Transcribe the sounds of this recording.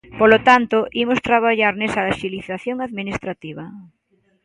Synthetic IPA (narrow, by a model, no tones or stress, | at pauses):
polot̪ant̪oʔimost̪ɾaβ̞aʎaɾnesaʃiliθaθjoŋaðminist̪ɾat̪iβ̞a